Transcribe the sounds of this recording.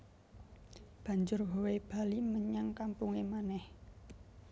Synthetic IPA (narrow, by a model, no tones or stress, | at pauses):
b̥a̤ɲd͡ʒʊrɦoweb̥a̤liməɲaŋkampuŋemanɛh